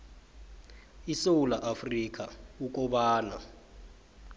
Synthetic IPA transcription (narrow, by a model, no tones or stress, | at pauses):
isoulaʔafrik̬ʼauk̬ʼɔɓaːna̰